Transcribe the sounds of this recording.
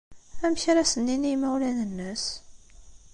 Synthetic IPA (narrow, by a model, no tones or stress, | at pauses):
æmçɾæsənːinimæwlænənːəs